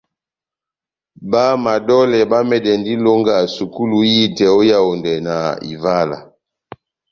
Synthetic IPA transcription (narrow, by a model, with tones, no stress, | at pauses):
ba˦ma˨dɔ˦lɛ˨ba˦mɛ˨dɛ˨ndi˦lo˦ŋɡa˨su˨ku˦lu˨ji˦tɛ˨o˦ja˦o˨ndɛ˨na̰˨ḭ˨va˦la̰˨